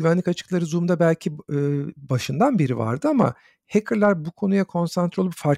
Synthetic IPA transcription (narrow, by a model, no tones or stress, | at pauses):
yvænlʲikat͡ʃʰɯ̥klˠaɾɯzumd̪abælʲcʰiɯːbaʃɯnd̪anbiɾiva̰ɾd̪ɯama̰ | hekʰɯɾlʲˠaɾbukʰo̞nujakʰo̞nsant̪ʰɾo̞lˠupfaɾ